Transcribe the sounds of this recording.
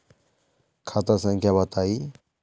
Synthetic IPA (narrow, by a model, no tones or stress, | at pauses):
kʰat̪əsə̃ŋkʰjabɐt̪ai